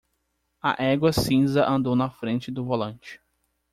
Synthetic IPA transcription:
ɐ̰ʔɛɡwɐsĩzɐʔɐ̃nd̪ownɐfɾẽnt͡ʃɪd̪ʊvolɐ̃nt͡ʃɪ̥

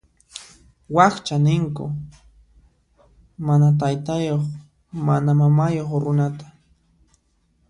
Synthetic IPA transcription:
waχt͡ʃanɪŋkʊ̰ | manat̪̬ajt̪ajoχ | manamamajoχɾʊnat̪ḁ

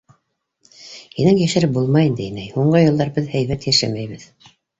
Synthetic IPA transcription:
hinæŋjæʃɘɾɘp̚bulˠmɑjind̪ɘnæjhuɴɢɤjɤ̆lˠd̪ɑɾbɘðhæjβæt̪jæʃæmæjβɘð

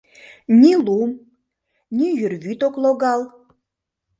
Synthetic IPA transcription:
nʲilum | nʲijyrβyt̪okloɣɑl

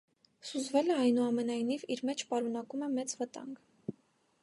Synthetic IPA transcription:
suzvɛlɛɑjnuɑmɛnɑjniviɾmɛt͡ʃʰpɑɾun̪ɑkumɛmɛt͡svət̪ɑ̰ŋɡ

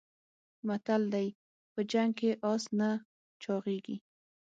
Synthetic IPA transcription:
mat̪ald̪aj | pəd͡ʒaŋɡ̚keʔɑsna | t͡ʃɑʁeɡi

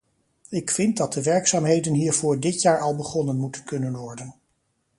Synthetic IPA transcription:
ɪkfɪnt̚dɑt̚dəʋɛɹksaːmɦejdənɦiːɹv̥ʊːɹdɪtjaːɹɑlˠbəχɔnənmutənkɵnənʋɔɹdən

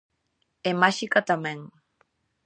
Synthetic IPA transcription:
emaʃikat̪amẽŋ

